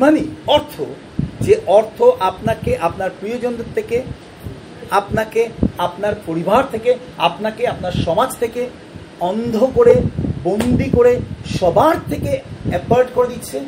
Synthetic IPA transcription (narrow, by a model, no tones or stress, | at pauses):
maniɔɾt̪ʰo | d͡ʑeʔɔɾt̪ʰoʔapnakeʔapnaɾpɾiod͡ʑond̪ot̪ʰːeke | apnakeapnaɾpoɾibʱaɾt̪ʰeke | apnakeapnaɾʃɔmad͡ʑt̪ʰeke | ɔnd̪ʱokoɾebond̪ikoɾeʃɔbʱaɾt̪ʰekeɛpaɾʈkoɾed̪itːɕʰe